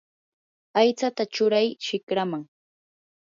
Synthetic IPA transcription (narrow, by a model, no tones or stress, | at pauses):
ajt͡sat̪at͡ʃʊɾajʃɪkɾamaŋ